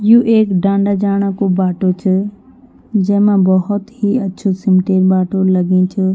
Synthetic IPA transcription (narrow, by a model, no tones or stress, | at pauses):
juʔeːkɖãːɳɖad͡ʑaːɽ̃akobaːʈot͡ʃʰʊ | d͡ʑɐ̃ɦɪ̃mãbɐɦʊt̪ɦiɐtːʃʰosɪmʈeːɾbaːʈolɐɡĩt͡ʃʰʊ